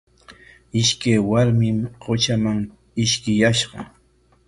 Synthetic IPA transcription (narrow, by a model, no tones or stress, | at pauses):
ɪʃkajwaɾmɪmɢot͡ʃamaŋ | ɪʃkɪjaʃɢɑ